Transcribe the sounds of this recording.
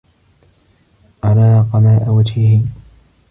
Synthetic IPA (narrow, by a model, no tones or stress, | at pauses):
ʔaɾɑːqɑmaːʔawad͡ʒhɪhɪ